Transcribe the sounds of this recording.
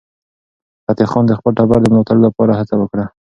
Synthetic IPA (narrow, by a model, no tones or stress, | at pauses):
pat̪exɑnd̪əxpəlʈabaɾd̪əmlɑt̪aɽolapɑɾahat͡sawəkɽa